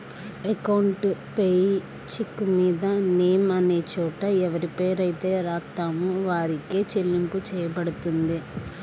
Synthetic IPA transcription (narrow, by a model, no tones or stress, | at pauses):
ekɐwɳʈpej | t͡ʃikːmiːd̪ɐneːmɐneːt͡ʃɔːʈɐɛʋɐɾipeːɾɐjt̪eːɾaːt̪aːmuʋaːɾikeːt͡ʃelːimput͡ʃɛːjɐbɐɽut̪und̪i